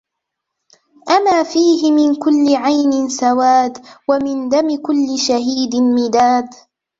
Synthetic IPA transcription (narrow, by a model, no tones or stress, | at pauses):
ʔamaːfiːɦɪmɪnkʊlːɪʕajnɪnsawaːd̪wamɪnd̪amɪkʊlːɪʃaɦiːd̪ɪmɪd̪aːd̪